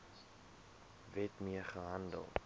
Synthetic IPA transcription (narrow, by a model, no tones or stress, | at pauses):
vɛtmiəχəɦɐndə̰lˠ